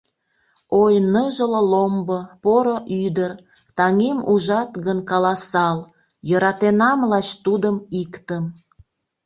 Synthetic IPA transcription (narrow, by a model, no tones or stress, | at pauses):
ojnəʒələlombopoɾoʔyd̪ər | t̪ɑŋemuʒɑt̪ɣənkɑlɑsɑl | jəɾɑt̪enɑmlɑʃt̪ud̪əmikt̪əm